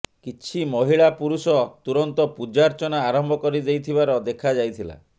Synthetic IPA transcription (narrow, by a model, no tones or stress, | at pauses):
kit͡ʃʰimɔɦiɭapuɾusɔt̪uɾɔnt̪ɔpud͡ʒaɾt͡ʃɔnaːɾɔmbʱɔkɔɾid̪ejt̪ʰibaɾɔd̪ekʰad͡ʒajt̪ʰila̰